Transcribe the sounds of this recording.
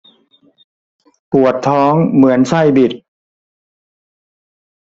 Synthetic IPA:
pu˨˩ət̪ʰːɔː˦˥ŋmɯ˩˦ənsa˥˩jbi˨˩t̪̚

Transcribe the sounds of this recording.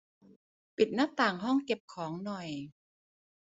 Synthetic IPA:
pi˨˩t̪̚na˥t̪aː˨˩ŋɦɔ˥˩ŋke˨˩p̚kʰɔː˩˦ŋnɔ˨˩j

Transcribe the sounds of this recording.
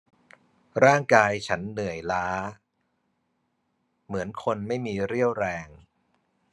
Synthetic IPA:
ɾaː˥˩ŋkaː˧jt͡ɕʰa˦˥nːɯ˨˩əjlaː˦˥ | mɯ˩˦ənkʰo˧nma˥˩jmiː˧ɾi˥˩əwɾɛː˧ŋ

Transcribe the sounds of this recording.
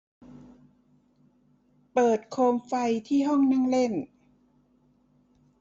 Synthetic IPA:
pɤː˨˩t̪̚kʰoː˧mfa˧jt̪ʰiː˥˩ɦɔ˥˩ŋna˥˩ŋle˥˩n

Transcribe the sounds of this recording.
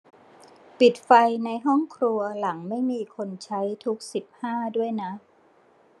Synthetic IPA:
pi˨˩t̪̚fa˧jna˧jɦɔ˥˩ŋkʰɾu˧ɐla˩˦ŋma˥˩jmiː˧kʰo˧nt͡ɕʰa˦˥jt̪ʰu˦˥k̚si˨˩p̚haː˥˩du˥˩əjna˦˥

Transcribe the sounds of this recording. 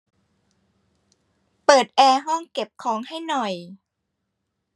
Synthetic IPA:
pɤː˨˩t̪̚ʔɛː˧ɦɔ˥˩ŋke˨˩p̚kʰɔː˩˦ŋha˥˩jnɔ˨˩j

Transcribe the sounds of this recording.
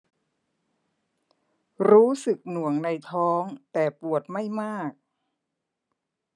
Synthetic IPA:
ɾuː˦˥sɯ˨˩k̚nu˨˩əŋna˧jt̪ʰɔː˦˥ŋt̪ɛː˨˩pu˨˩ət̪̚ma˥˩jmaː˥˩k̚

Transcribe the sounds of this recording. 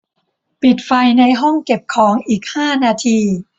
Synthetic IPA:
pi˨˩t̪̚fa˧jna˧jɦɔ˥˩ŋke˨˩p̚kʰɔː˩˦ŋʔiː˨˩k̚haː˥˩naː˧t̪ʰiː˧

